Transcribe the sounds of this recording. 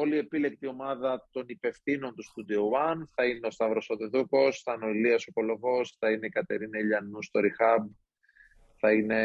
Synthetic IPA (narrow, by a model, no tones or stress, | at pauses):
o̞lie̞pile̞k̚t̪io̞mɐðɐt̪o̞nipe̞fθino̞nt̪ust̪ud̪iowɐnθɐineo̞st̪ɐvɾo̞sot̪eðuko̞st̪ɐnoiliɐso̞ko̞lo̞vo̞sθɐine̞ikɐt̪e̞ɾinɐiʎɐnust̪o̞ɾixɐb | θɐine̞